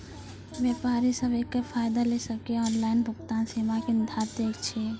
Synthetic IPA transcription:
ʋeːpaːɾisəbeːkːəfʰaːjd̪alesəkeɔːnlaːɪnbʱʊkt̪aːnsiːmakɪnɪd̪ʱaːɾt̪ekt͡ʃʰeː

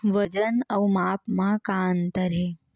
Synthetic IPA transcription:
ʋəd͡ʒənəwmapmãkant̪əɾe

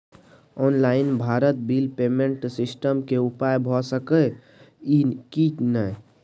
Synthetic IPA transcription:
ɔnlaɪinbʱaɾət̪̚bilpemeɳʈsisʈəmkeupajbʱɔsəkə | ikitnəj

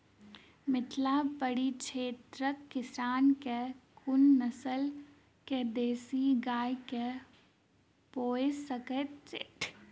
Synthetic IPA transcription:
mɪt̪ʰlapəɽiʃʰeːt̪ɾəkːɪsɾaːnkekʊnːɐsəl | ked̪eːsiɡaːjke | poːesɐkət͡ʃḛːʈʰ

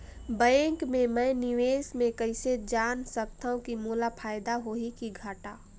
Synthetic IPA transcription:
bə̃ŋkmẽmə̃jniweːsmẽkəɪsed͡ʒaːnsək̚t̪aũkimuːlapʰaːjd̪aɦoɦikiɡʱaʈaː

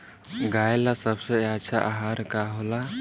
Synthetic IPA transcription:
ɡaːelasəbseətːʃʰaʔaɦaɾkaɦola

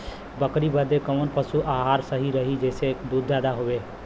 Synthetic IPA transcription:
bəkɾibəd̪ekəmənpəsuʔaɦaːɾsəɦiɾəɦid͡ʒɛːsekd̪uːd̪ːaːd̪aɦoːʋeː

